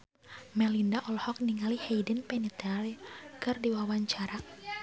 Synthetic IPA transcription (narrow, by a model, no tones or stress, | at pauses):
mɛlindaʔɔlhɔk̚niŋalihejdənpɛnit̪ɛlkɨrdiwawaɲt͡ʃaɾa